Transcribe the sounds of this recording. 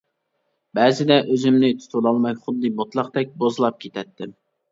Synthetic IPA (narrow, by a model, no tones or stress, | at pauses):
bɛzɪd̪ɛʔøzɪmnɪt̪ʰu̥t̪ʰulˠɑlˠmɑkʲχʊd̪ːɨbot̪lˠɑqd̪ɛk̚ʲbozɨlˠɑp̚kʲʰet̪ʰɛt̪ʰːɪm